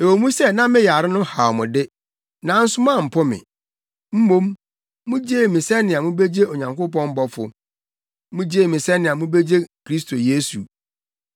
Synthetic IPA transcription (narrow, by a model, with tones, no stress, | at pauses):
e˨wo˨mũ˦sɛ˦˨nã˦mɪ̃˦ja˨ɾɪ˦nʊ̃˦ha˨mʊ̃˨dɪ˦ | nã˨˦n̩˦sʊ˦mã˦˨m̩˨pʰɔ˦mɪ̰̃˨ | m̩˦mõ˦mː | ũ˦d͡ʑe˦˨mĩ˨sɛ˦nɪ̃˨a˨mʊ̃˦be˦d͡ʑe˦o˨ɲã˨ŋkʊ˦pɔ̃˦m˦bɔ˦fʊ̰˨ | mʊ̃˦d͡ʑe˦˨mɪ̃˨sɛ̃˦nɪ̃˨a˨mʊ̃˦be˦d͡ʑe˦kʰɾi˦s̬tʰo˨je˦sṵ˨